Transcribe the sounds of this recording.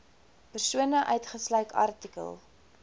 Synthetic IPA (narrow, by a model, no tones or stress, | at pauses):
pərsuənəʔœɥtχəslɐɥkɐ̰rtikə̰lˠ